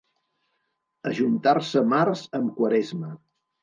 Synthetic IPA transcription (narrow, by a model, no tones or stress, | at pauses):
əʒunt̪arsəmarzəmkwəɾɛzmə